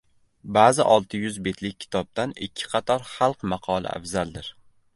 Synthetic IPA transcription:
bazɪʔɒlˠt̪ʰɪjʊzbe̞t̪ʰlɪk̚ʲːʰɪ̥t̪ʰɒb̚d̪anɪkʲʰːɪ̥qʰɑt̪ʰɒɾχɑlˠqmɑqʰɒlˠɪ̰ʔa̰fzald̪ɪɾ

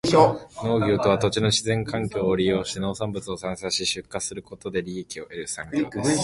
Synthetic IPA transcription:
no̞ːɡʲo̞ːt̪o̞β̞at̪o̞t͡ɕino̞ɕizẽŋkãŋkʲo̞ːɾʲijo̞ːɕi̥t̪e̞no̞ːsãmbɯ̟t͡sɨo̞sãɰ̃saɕiɕɨkːasɨɾɯ̟ko̞t̪o̞d̪e̞ɾʲiekʲio̞ʔe̞ɾɯ̟sãŋkʲo̞ː

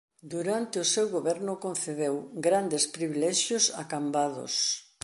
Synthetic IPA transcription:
d̪uɾant̪ɪʊsewɣoβɛɾnʊkon̟θeðewɡɾand̪espɾiβilɛʃjʊsa̰kambaðʊ̰s

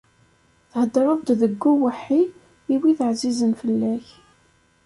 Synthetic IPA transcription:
θhəd̪ːɾˤəðˤd̪ðəɡːuwəħːi | iwiθəʕzizənfəlːæç

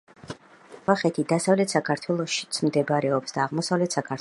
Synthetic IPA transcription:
vaχɛt̪ʰid̪asavlɛt̪ʰsakʰaɾt̪ʰwɛlˠɔʃi̥t̪sʰmd̪ɛbaɾɛɔpsd̪aːʁmɔsavlɛt̪ʰsakʰaɾt

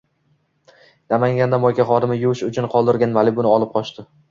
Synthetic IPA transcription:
namaŋɡʲand̪amɒjkʲaχɒd̪ɪmɪjʊʃʊt͡ʃʰʊnqʰɒlˠd̪ɪɾɡʲanmalɪbʊnɪɒlˠɪp̚qʰɒʃt̪ɪ

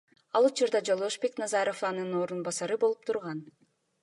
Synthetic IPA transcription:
ɑlˠut͡ʃuɾd̪ɑd͡ʒo̞lˠoʃbe̞knɑzɑɾo̞fɑnɯno̞ːɾunbɑsɑɾɯbo̞lˠup̚t̪ʰuɾʁɑn

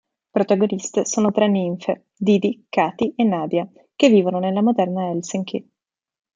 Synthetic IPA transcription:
pɾot̪aɡonist̪esoːnot̪ɾenːiɱfḛ | d̪iːd̪ikaːt̪iʔenːaːd̪ja | kevːiːvononelːamod̪ɛrnaɛlseŋkʰi

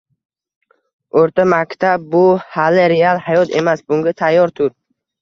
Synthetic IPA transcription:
oɾt̪amakʲt̪ʰab̚ːʊhalɪɾealˠhajɒt̪ʰe̞masbʊŋɡʲat̪ʰajːɒɾt̪ʰʊɾ

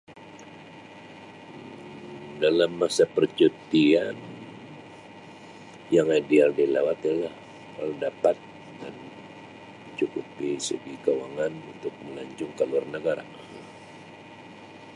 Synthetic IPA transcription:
dalamːasapərt͡ʃut̪ian | jaŋadialdilawat̪ijalah | tərdapat̪̚ | dan | mət͡ʃukupisəɡikawaŋanunt̪ʊk̚məlaɲt͡ʃʊŋkalurnəɡaɾa̰

